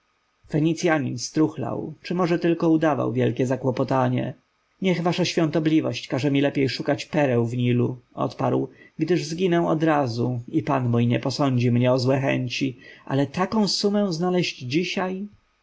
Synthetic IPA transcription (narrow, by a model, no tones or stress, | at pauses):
fɛɲit̪sʲjaɲinst̪ɾuxla̰wt͡ʂɘmɔʐɛt̪ɘlkɔud̪ava̰wvʲjɛlkʲɛzakwɔpɔt̪aɲɛ̰ | ɲɛɣvaʂaɕfʲjɔ̃nt̪ɔblʲivɔɕt͡ɕkaʐɛmʲilɛpʲjejʂukat͡ɕpɛɾɛwvɲiluʔɔ̰t̪paɾwɡd̪ɘʐzɡʲinɛ̃ɔd̪ɾazuipanmujɲɛpɔsɔɲd͡ʑimɲɛɔzwɛxɛ̰ɲt͡ɕiʔa̰lɛt̪akɔ̃w̃sumɛ̃znalɛʑd͡ʑd͡ʑiɕaj